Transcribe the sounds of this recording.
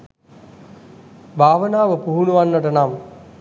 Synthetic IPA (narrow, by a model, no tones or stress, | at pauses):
bʱaːʋənaːʋəpuɦunuʋanːəʈənam